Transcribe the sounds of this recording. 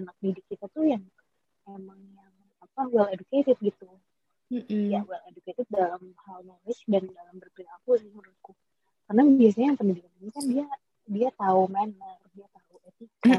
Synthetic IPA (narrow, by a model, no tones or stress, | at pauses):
anak̚didɪkːit̪at̪ujaŋ | memaŋjaŋ | apaɡualeduket̪ɪfɡit̪u | jaɡualeduket̪ɪf̚dalamhalɲalɪhdandalambərpilakusɪhməɾuku | karnabias̬aɲajaŋpənidɪkaninikandia | diat̪aumanərdiat̪auʔati